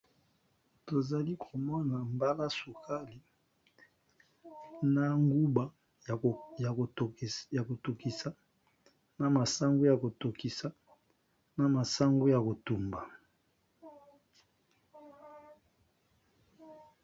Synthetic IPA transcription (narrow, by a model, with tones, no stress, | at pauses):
to˨za˨li˦kʰo˨mɔ˦na˨mba˦la˦su˨kʰa˦li˨˦ | na˨ŋɡu˦ba˦˨ | ja˨ko˨to˨ki˨sa˦ | na˨ma˨sa˦ŋɡu˦ja˨ko˨to˨ki˨sa˨˦ | na˨ma˨sa˦ŋɡu˦ja˨ko˨tu˨mba˨